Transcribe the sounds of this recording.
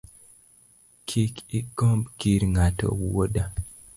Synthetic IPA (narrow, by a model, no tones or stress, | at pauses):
kʰikiɡ̥ɔmbkiɾŋatɔ̰woda